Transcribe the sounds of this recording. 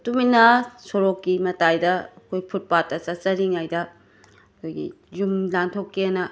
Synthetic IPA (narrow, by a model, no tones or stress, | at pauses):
tuminɐsoɾokːimɐtajdɐɐkʰojpʰut̚patːɐt͡ʃɐt͡ʃɐɾiŋajdɐ | kʰojɡḭ | jumlantʰokːiɐnɐ